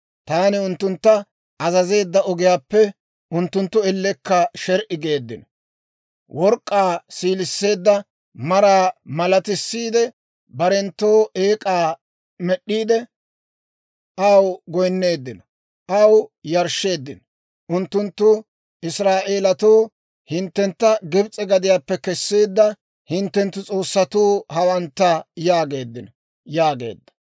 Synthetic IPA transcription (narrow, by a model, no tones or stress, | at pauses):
t̪aːnɪʊnt̪ːʊnt̪ːɐ | ʔɐzɐze̞ːd̪ːɐɔɡɪjaːpːɛ | ʊnt̪ːʊnt̪ːʊɛlːɛkːɐʃɛɾʔɪɡe̞ːd̪ːɪnɔ | wɔɾkʼːaːsiːlɪsːe̞ːd̪ːɐ | mɐɾaːmɐlɐt̪ɪsːiːd̪ɛ | bɐɾɛnt̪ːo̞ːʔeːkʼaː | mɛɗːiːd̪ɛ | ʔɐwɡɔjnːe̞ːd̪ːɪnɔ | ʔɐwjɐɾʃːe̞ːd̪ːɪnɔ | ʔʊnt̪ːʊnt̪ːʊ | ʔɪsɾaːʔe̞ːlɐt̪oː | hɪnt̪ːɛnt̪ːɐɡɛbt͡sʼɛɡɐd̪ɪjaːpːɛkɛsːeːd̪ːɐ | hɪnt̪ːɛnt̪ːʊt͡sʼo̞ːsːɐt̪uːhɐwɐnt̪ːɐjaːɡe̞ːd̪ːɪnɔ | jaːɡe̞̰ːd̪ːɐ̥